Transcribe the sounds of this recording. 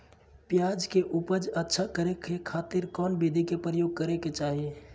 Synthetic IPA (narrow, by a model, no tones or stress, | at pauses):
pjaːd͡ʒkeʔʊpəd͡ʒətːʃʰakəɾekekʰaːt̪ɪɾkɔːnbid̪ʱikepɾəjoːɡ̚kəɾeket͡ʃaːɦie